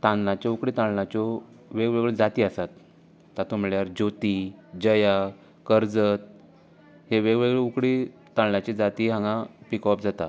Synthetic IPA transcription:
t̪ãnlãt͡ɕɔukɽiːt̪ãɳlãt͡ɕɔ | ʋeɡʋeɡɭed͡zat̪iasat̪ː | at̪umɭjaɾd͡ʑot̪id͡ʑəja | kəɾd͡zət̪̚ | heʋeɡʋeɡɭeukɽit̪ãɳlat͡ɕid͡zat̪iɦãŋɡãpikɔpd͡zat̪a

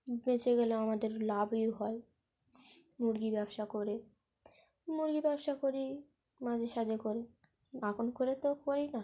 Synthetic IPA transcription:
met͡ɕeɡeleamad̪eɾlabiɦɔe | muɾɡibɛbʃakoɾe | muɾɡibɛbʃakoɾi | mad͡ʑʱeʃad͡ʑekoɾe | akonkoɾet̪okoɾina

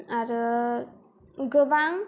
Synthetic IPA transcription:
aɾə | ɡəwaŋ

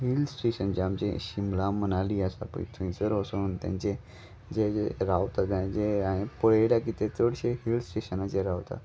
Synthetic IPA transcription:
ɦilsʈeɕənd͡ʑamt͡ɕeɕimlamənaliasa̰pə̰ḭt̪ʰũĩt͡səɾosont̪ã̰nt͡ɕe | d͡ʑeɾawt̪ad̪ãd͡ʑeãĩpəɽeɽakit̪et̪oɽɕeɦilsʈeɕənat͡ɕeɾawt̪a̰

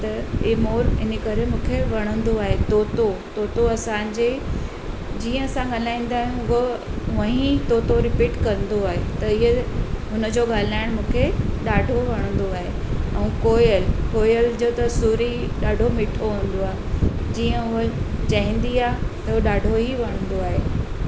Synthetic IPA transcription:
t̪ɐemoːɾɪnəkɐɾemũːkʰeʋɐɽ̃ə̃nd̪oaːɦet̪oːt̪ot̪oːt̪oɐsãɲd͡ʑe | d͡ʑiːə̃ɐsãɠɐl̤aːĩːn̆d̪aːɦũɡoʊʋɐɦĩt̪oːt̪oɾɪpiːʈkɐ̃nd̪oaːɦet̪ɐɪɦeɦʊnəd͡ʑoːɠaːl̤aːɪɽ̃mũːkʰeɗaːɖʱoʋɐɽ̃ə̃n̆d̪oaːɦe | ɛ̃ːkoːjəlkoːjəld͡ʑot̪ɐsuːɾi | ɗaːɖʱomɪʈʰoɦũːn̆d̪oaːɦed͡ʑiːə̃ʊət͡ɕɐɦɪ̃nd̪iaːɦt̪ɐʊɗaːɖʱoɦiʋɐɽ̃ə̃nd̪oaːɦeː

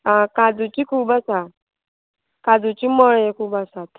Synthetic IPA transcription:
akad͡zut͡ɕiːkʰuːbasa | kad͡zut͡ɕiːmɔɭjekʰuːpasat̪

